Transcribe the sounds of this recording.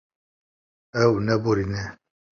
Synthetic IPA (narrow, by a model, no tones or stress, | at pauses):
ɛwunɛboɾinɛ